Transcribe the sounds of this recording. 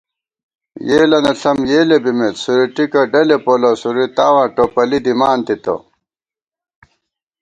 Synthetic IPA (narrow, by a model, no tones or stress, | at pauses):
jeːlɐneɬʰɐmjeːlebimet̪suɾiʈikɐɖɐlepolɐsuɾit̪aːwãːʈopɐlid̪imaːnt̪it̪o̰